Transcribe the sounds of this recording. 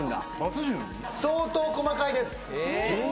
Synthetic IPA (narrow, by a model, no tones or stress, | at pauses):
nd̪a̰ | ot͡sɨʑɯ̃ | soːt̪o̞ːko̞makaid̪e̞sɨ̥mi